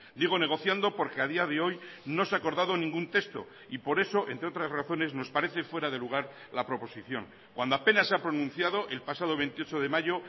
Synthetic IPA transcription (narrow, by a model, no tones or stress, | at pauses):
d̪iɣ̞o̞ne̞ɣ̞o̞θjand̪o̞po̞ɾke̞aðiaðe̞o̞jno̞seako̞ɾðaðo̞nĩŋɡunt̪e̞st̪o̞̰ | ipo̞ɾe̞so̞ʔe̞nt̪ɾe̞o̞t̪ɾasraθo̞ne̞zno̞spaɾe̞θe̞fwe̞ɾaðe̞luɣ̞aɾ | lapɾo̞po̞siθjo̞̰ŋ | kwand̪oape̞naseapɾo̞nũn̟θjaðoʔe̞lpasaðo̞β̞e̞nt̪io̞t͡ʃo̞ðe̞maʝo